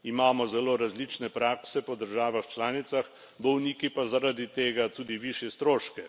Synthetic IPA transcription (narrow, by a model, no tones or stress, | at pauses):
imaːmɔzɛloːɾazlit͡ʃnɛpɾaːksɛpɔd̪əɾʒaːʋaxt͡ʃlaːnit̪sax | bɔwniːkipazaɾad̪it̪eːɡat̪uːd̪iʋiʃjɛst̪ɾoːʃkɛ